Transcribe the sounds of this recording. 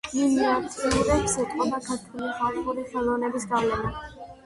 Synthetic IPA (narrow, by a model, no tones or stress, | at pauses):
iliat̪ʰiuɾɛpsɛt̪ʼqʼɔbakʰaɾt̪ʰwuliχat̪ʼuɾiχɛlˠɔnɛbisɡavlɛna